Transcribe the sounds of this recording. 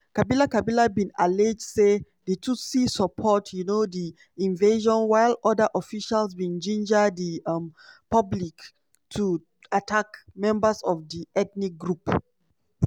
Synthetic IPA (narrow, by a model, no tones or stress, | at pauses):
kabilakabilabĩnaled͡ʒdse | detʰusisəpʰɔtʰjunodi | ĩnveʒɔ̃nwaɪlɔdəʔɔfiʃalsbĩnd͡ʒĩnd͡ʒədiãmpablik | tʰu | atʰakmɛ̃mbəsɔvdiʔɛtnik̚ɡɹup